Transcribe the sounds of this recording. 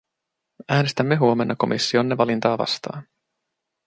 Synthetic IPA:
æːne̞st̪æmːe̞ɦuo̞menːɑko̞̰mʔisːio̞nːeʋɑlint̪ɑːʋɑ̰st̪ɑ̰ːn

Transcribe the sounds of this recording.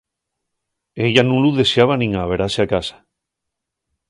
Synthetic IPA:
e̞ʝanũluðe̞seaβ̞anĩŋaβ̞e̞ɾaseakasḁ

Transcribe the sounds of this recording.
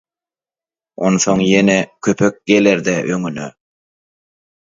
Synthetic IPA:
onθo̞ŋjenekʲʰøpʰøk̚ɡeleɾd̪ɛʔøŋynø

